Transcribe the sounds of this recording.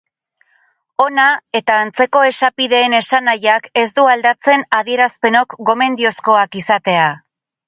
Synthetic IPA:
o̞nae̞t̪aːnt͡se̞ko̞e̞sapiðe̞ːne̞sanajake̞sd̪uald̪at͡se̞naðie̞ɾaspe̞no̞kɡo̞me̞nd̪io̞sko̞akisat̪e̞a

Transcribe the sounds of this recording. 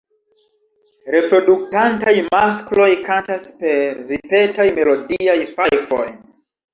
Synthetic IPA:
ɾe̞pɾo̞duk̚tantajmasklo̞jkantaspe̞ɾɾipe̞tajme̞lodiajfajfo̰j

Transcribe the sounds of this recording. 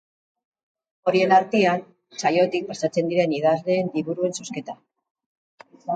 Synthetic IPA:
o̞ɾie̞naɾt̪ian | t͡sajo̞t̪ik̚pasat͡se̞nd̪iɾe̞niðazle̞ːnd̪iβuɾue̞nsoske̞t̪a

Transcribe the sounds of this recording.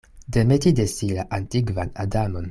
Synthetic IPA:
demetidesilaʔantiɡvanadamon

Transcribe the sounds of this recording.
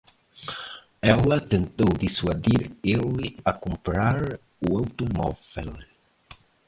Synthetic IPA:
ɛlɐt̪ent̪owd̪iswaðiɾelɪakumpɾaɾ | uawt̪umɔ̰fel

